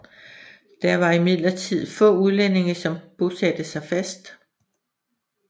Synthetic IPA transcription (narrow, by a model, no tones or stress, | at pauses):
d̥æɐʋɑ̈imiðˠlɐt͡sʰið̰ˠfɔ̰̽ːuð̞ˠlen̰e̝ŋɐsɒ̽mb̥o̝sæd̥əsɑ̈ɪfæsd̥